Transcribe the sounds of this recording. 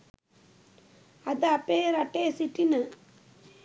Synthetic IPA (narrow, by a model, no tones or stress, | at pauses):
ɐd̪ɐɐpeɾɐʈːesiʈːinɐ